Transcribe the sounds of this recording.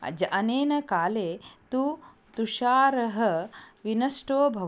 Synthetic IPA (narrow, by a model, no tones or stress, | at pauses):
ɐ̰d͡ʒɐʔɐneːnɐkaːleːt̪u | t̪uʃaːɾɐɦɐʋinɐsʈoːbʱɐ